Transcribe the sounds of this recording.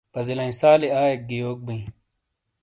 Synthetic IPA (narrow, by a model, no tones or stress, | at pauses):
pɐzilɐĩsaːliaːek̚ɡijoːk̚bĩ